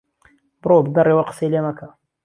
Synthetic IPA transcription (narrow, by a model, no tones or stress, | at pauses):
brobɡɐrewɐqə̥sejlemɐkʰɐ